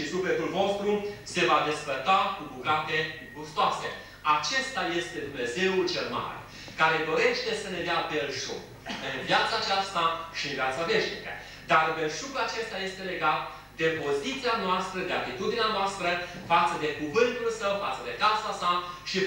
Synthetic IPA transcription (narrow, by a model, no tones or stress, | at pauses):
isuflet̪ulvo̞st̪ɾuse̞vad̪e̞sfərt̪akubuɡat̪e̞ | bust̪oase | at͡ʃe̞st̪aje̞st̪e̞d̪umne̞ze̞ult͡ʃelma̰ɾḛ | kaɾe̞d̪o̞je̞ʃt̪e̞səne̞d̪eabelʃuk | ɨnvjat̪saːt͡ʃast̪aʃiɨnvijat̪save̞ʃnikə̰ | d̪arbe̞lʃukuat͡ʃe̞st̪aje̞st̪e̞le̞ɡat̪ | d̪e̞po̞zit̪sianoast̪ɾəd̪e̞at̪it̪ud̪ineanoast̪ɾə | fat̪səd̪e̞kuvɨnt̪ulsəwfat̪səd̪e̞kasasa | ʃi